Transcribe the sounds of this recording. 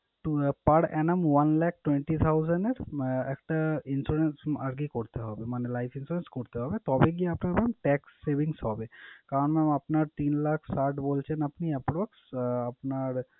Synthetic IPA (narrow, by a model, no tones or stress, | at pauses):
ʈpɐɽɛːnəmʋɐnlɛːk̚ʈwẽɳʈit̪ʰaʊzənɖeɾeːk̚ʈaɪnsɾuɾensɐɾɡikɔɾt̪eɦɔːbemanelaɪfʰɪnsuɾenskoɾt̪eɦɔːbet̪ɔbeɡ̬iaɐpnabɛmʈɛːksːebɪŋsɦɔːbekaːɾənmemɐpnaɾt̪iːnlaːkʰsaʈboːlt͡ʃʰənɐpniɐpɾoːksɐpnaɾ